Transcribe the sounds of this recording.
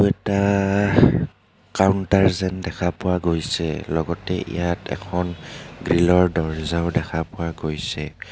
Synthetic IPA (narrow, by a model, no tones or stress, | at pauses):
ɛta | kaʊntaɹzɛndɛkʰapʊwaɡojsɛlɔɡɔtɛʔḭjatɛ̰kʰɔnɡɹilɔɹdɔɹzaʊdɛkʰapʊwaɡojsɛ